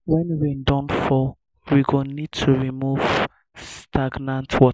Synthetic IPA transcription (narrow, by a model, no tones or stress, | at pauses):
wɛ̃nwidɔ̃nfɔ | wiɡonid̚tʰuɹimuv | stʰaɡnãntʰwɔ